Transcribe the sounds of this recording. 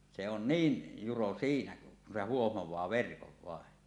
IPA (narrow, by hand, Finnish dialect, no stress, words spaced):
se on niːn juro siːnæ kun se huohmowˑɑː ʋerkoʋ ʋɑˑen